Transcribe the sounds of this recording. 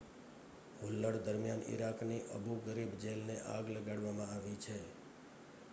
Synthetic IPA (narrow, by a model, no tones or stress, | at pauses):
ɦulːəɽd̪əɾmjanḭɾakniʔəbʱuɡəɾibd͡ʒelneʔaɡləɡaɽʋamãaʋit͡ʃʰe